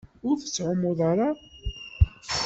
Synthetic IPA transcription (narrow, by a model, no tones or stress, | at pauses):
ʊɾθət͡sːʕʊmːʊðˤɑɾa